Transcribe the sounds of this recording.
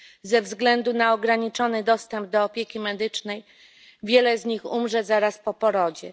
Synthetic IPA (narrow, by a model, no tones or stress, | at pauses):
zɛvzɡlɛnd̪unaɔɡɾaɲit͡ʂɔnɘd̪ɔst̪ɛmb̚d̪ɔːpʲjekʲimɛd̪ɘt͡ʂnɛj | vʲjɛlɛzɲixumʐɛzaɾaspɔpɔɾɔd͡ʑɛ